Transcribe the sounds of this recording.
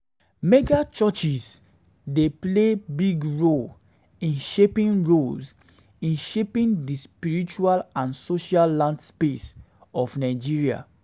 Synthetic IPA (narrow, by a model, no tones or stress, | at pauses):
meɡat͡ʃɔt͡ʃis | deplebiɡɹol | ĩnʃepĩnɹols | ĩnʃepĩndispiɹit͡ʃualãnsoʃalːãndspes | ɔfnaɪd͡ʒiɹia̰